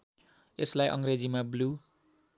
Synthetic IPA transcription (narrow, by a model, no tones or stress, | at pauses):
eslajʔʌ̰ŋred͡zimablu